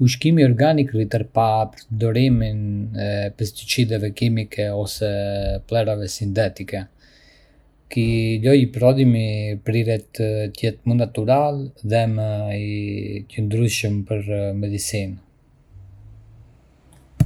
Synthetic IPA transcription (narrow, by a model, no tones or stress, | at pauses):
uʃ̬kimiɔɾɡanikrit̪əɾpapɾɔd̪ɔɾiminɛpɛst̪it͡ʃid̪ɛvɛkimikʰɛɔsɛplɛɾavɛsint̪ɛt̪ikɛ | kilɔjpɾɔd̪imipɾiɾɛt̪ət̪jɛt̪munat̪uɾalðɛmə | c̪ənd̪ɾyʃəmpəɾmɛd̪isin